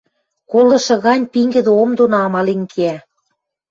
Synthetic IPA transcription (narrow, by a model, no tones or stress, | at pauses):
kolˠɤ̆ʃɤ̆ɣɑnʲpiŋɡɘ̆d̪ĕomd̪onɑmɑlenkʰeæ